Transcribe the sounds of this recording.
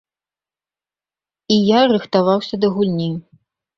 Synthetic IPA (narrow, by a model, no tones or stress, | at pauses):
ijarɨxt̪avawsʲɐd̪ɐɣulʲnʲinʲ